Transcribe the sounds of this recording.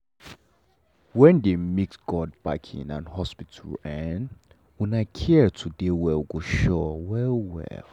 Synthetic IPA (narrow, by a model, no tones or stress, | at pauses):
wɛ̃ndemiksɡ̥ɔd̚baɪkʰḭ̃nã̰nhɔspitʰulɛn | wɛ̃naɪkʰɛtʰudewɛlɡoʃɔwɛwɛ̰l